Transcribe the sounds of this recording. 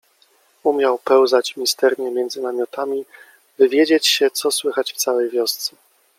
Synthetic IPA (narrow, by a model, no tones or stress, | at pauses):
umʲjawpɛwzat͡ɕmʲist̪ɛɾɲɛmʲjɛnd̪zɘnamʲjɔt̪amʲi | vɘvʲjed͡ʑet͡ɕɕɛt̪sɔswɘxat͡ɕft̪sawɛjvʲjɔst̪sɛ̥